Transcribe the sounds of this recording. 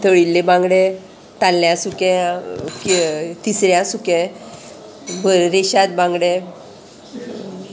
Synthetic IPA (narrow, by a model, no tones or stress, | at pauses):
t̪ʰəɭilːebãŋɡɽẽ | t̪alːjãsukẽkt̪isɾjãsukɛ̃ | bʱəɾɾeɕat̪̚bãŋɡɽẽ